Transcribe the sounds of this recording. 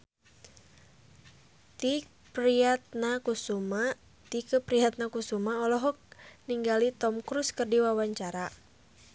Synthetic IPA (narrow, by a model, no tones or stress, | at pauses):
t̪i | pɾiat̪̚nakusuma | t̪ikəpɾiɦat̪̚nakusumaɔlɔɦɔk̚niŋɡalit̪ɔmkɾuskərdiwawaɲt͡ʃaɾa